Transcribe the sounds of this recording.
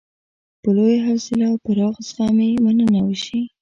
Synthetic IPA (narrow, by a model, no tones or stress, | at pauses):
pəlojaɦawsɪlawpəɾɑɣsɑmemanənawəʃi